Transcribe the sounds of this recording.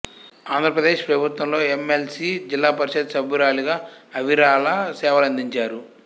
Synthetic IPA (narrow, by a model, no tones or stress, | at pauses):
aːnd̪ʱɾɐpɾɐd̪e̞ːʃpɾɐbʱut̪wɐmlo̞ːemelsid͡ʒilːaːpɐɾiʃɐt̪sɐbʱjuɾaːliɡaːɐʋiɾaːlɐsɛːʋɐlɐnd̪iɲt͡ʃaːɾu